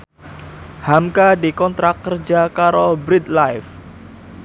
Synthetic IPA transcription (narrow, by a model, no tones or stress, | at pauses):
hamkadikɔnt̪ɾakːərd͡ʒakaɾɔbɾit̪lajf